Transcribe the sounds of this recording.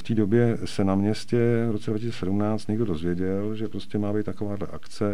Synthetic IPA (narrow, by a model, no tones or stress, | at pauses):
ft̪iːdo̞bjɛsɛnamɲɛscɛvɾot͡sɛdɾvacisːt͡sɛsɛdumnaːt͡st̪ɲɛɡdo̞do̞zvjɛɟɛlʒɛpɾo̞scɛmaːbɛjt̪t̪akovaːdlɛ̰ʔakt͡sɛ